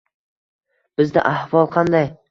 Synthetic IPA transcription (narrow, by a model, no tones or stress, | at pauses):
b̥ɪzd̪a̰ʔahvɒlˠqʰɑnd̪aj